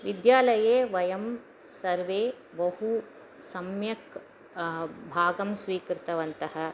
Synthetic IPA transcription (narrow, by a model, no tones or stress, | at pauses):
ʋid̪jaːlɐjeːʋɐjɐm | sɐɾʋeː | ʋɐɦu | sɐmjɐk | bʱaːɡɐmsʋiːkɾɪt̪ɐʋɐnt̪ɐɦɐ